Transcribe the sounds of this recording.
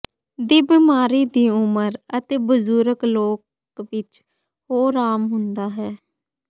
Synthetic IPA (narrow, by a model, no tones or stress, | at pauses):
d̪iːbimaːɾiːd̪iːʊməɾət̪eːbəzuːɾəkloːk | ʋɪt͡ʃ | hoːɾaːmɦʊnd̪aːɦɛː